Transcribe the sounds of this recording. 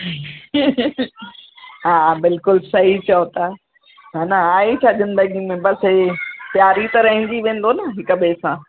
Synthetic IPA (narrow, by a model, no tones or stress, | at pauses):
ɦaːbɪlkʊlsɐɦit͡ɕɐot̪aː | ɦaːnɐaːit͡ɕʰaːʄən̆bɐɡĩmẽbɐsɦepjaːɾit̪ɐɾɐɦɪ̃n̆d̪iʋẽːn̆d̪onɐɦɪkəbeːsãː